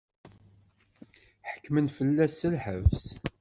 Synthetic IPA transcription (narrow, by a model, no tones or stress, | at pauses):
ħə̥kːmənfəlːæsəlħəvs